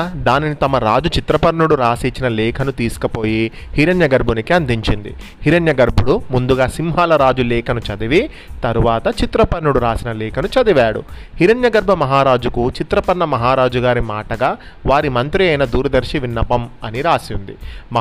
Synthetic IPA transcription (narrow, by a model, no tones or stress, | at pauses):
d̪aːninit̪ɐmɐɾaːd͡ʒut͡ʃit̪ɾɐpɐɾnuɽuɾaːsiːt͡ʃːinɐlɛːkʰɐnut̪iːsu̥kɐpoːjihiɾɐnjɐɡɐɾbʱunikiɐnd̪iɲt͡ʃind̪ḭ | hiɾɐnjɐɡɐɾbʱuɽumund̪uɡaːsimɦaːlɐɾaːd͡ʒulɛːkʰɐnut͡ʃɐd̪iʋi | t̪ɐɾuʋaːt̪ɐt͡ʃit̪ɾɐpɐɾːuɽuɾaːsinɐlɛːkʰɐnut͡ʃɐd̪iʋaːɽṵ | hiɾɐnjɐɡɐɾbʱɐmɐɦaːɾaːd͡ʒukut͡ʃit̪ɾɐpɐɾɳːɐmɐɦaːɾaːd͡ʒuɡaːɾimaːʈɐɡaː | ʋaːɾimɐnt̪ɾiɐjnɐd̪uːɾɐd̪ɐɾʃiʋinːɐpɐmɐniɾaːsiund̪ḭmɐ